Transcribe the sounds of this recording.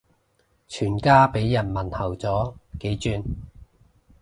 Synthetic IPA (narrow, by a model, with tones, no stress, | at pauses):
t͡ʃʰyː˨˩nkaː˥pe˨˥jːɐ˨˩nmɐ˨˩nhɐ˨˩wt͡sɔː˨˥ke˨˥jt͡ʃyː˧n